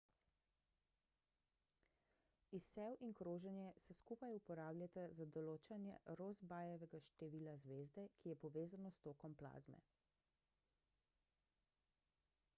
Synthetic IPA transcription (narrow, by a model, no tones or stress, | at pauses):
isːɛwʔinkɾoːʒɛnjɛsɛskuːpajupɔɾaːblʲjat̪azad̪ɔloːt͡ʃanjɛ̰ɾoːzbaːjɛʋɛɡaʃt̪ɛʋiːlazʋeːzd̪ɛkijɛpɔʋeːzanɔst̪oːkɔmpla̰ːzmɛ̰